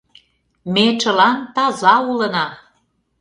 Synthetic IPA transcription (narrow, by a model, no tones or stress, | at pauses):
met͡ʃə̆lɑnt̪ɑzɑulənɑ